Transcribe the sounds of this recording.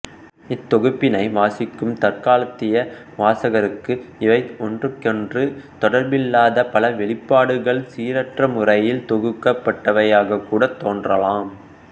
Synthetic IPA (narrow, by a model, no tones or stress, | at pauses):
ɪt̪ːɔɣɯpːɪnɐɪʋaːsɪkːɯmt̪ɐrkaːlɐt̪ːɪjɐ | ʋaːsɐɣɐɾɯkːɯɪʋɐɪɔndrɯkːɛndrɯt̪ɔɽɐɾbɪlːaːðɐpɐlɐʋɛɭɪpːaːɽɯɣɐɭsiːɾɐʈrɐmʊrɐjɪlt̪ɔɣɯkːɐpːɐʈːɐʋɐjaːɣɐkːuːɽɐt̪ːoːndrɐlaːm